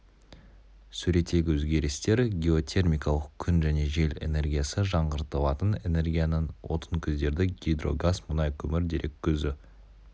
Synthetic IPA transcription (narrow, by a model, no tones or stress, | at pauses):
sʉɾe̞t̪e̞ɡʲɪwɵzɡʲe̞ɾɪst̪e̞ɾɡʲeo̞t̪ʲʰe̞rmʲijkalˠəq̚kʲʰːʏnʒæne̞ʒe̞le̞̰ne̞ɾɡʲijasəʒɑɴʁəɾt̪əlˠɑt̪əne̞ne̞rɡʲijanənwo̞̰t̪ʰəŋkʲʰʏzd̪e̞ɾd̪ɪɡʲijd̪ro̞̰ɡasmʊnɑjkʲʰɵmɪɾd̪e̞ɾʔe̞kʲʰːɵzɪ